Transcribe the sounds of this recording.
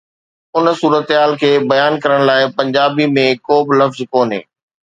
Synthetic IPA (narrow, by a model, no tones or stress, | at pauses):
ʊnsuːɾət̪ɦaːlkʰeːbɐjaːnkɐɾəɽ̃laːɪpɐ̃ɲd͡ʑaːbimẽkoːbɪlɐfzkoːnɦḛː